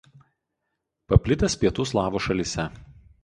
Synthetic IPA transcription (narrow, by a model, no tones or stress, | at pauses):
pɐpʲlʲɪt̪ʲɐspʲiɛt̪uːslˠɑːʋoːʃɐlʲisʲɛ